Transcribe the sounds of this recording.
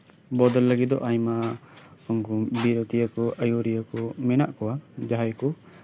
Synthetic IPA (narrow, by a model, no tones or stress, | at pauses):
bɔd̪əlːəɡit̪̚d̪ɔ̰ʔaɲma | ɔŋɡubiɾɔt̪ijakɔʔəjuɾijakɔmɛna̰ʔkɔwad͡ʒaɦajkɔ